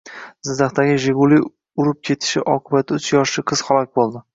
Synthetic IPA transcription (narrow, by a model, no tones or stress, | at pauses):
z̥ɪd̪aχt̪aɡʲɪʒeɡulˠi | ʊɾɪp̚kʲʰe̞t̪ʰɪ̥ʃɪ̰ʔɒqʰɨbat̪̚ʰːaʊt͡ʃʰjɒʃlɪqʰɨz̥χalˠɒk̚ʲbolˠd̪ɪ